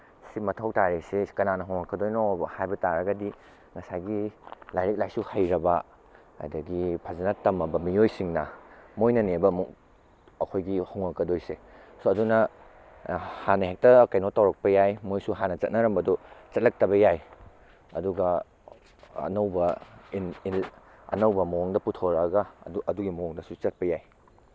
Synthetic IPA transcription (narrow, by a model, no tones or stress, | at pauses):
simɐtʰɐwtaɾesekɐnanɐɦoŋɐkːɐdojnohajbɐtaɾɐɡɐdi | ŋɐsajɡilajɾik̚lajsuhɐjɾɐbɐ | ɐ̰dɐɡipʰazenatɐmɐbɐmijojsiŋnɐmojnɐnebɐmuk̚ | ɐkʰojɡihowŋɐkːɐdojsesoɐdunɐ | hanɐɦek̚tɐkajnotawɾɐk̚pɐjajmojsuɦanɐt͡ʃɐ̰t̚nɐɾɐmbɐdɔt͡ʃɐt̚lɐk̚tɐβɐjaj | ɐ̰duɡɐ | ɐ̰nɐwbɐinil | ɐ̰nɐwbɐmooŋdɐputʰoɾaɡɐʔɐduɡimooŋdɐsut͡ʃɐt̚pɐjaj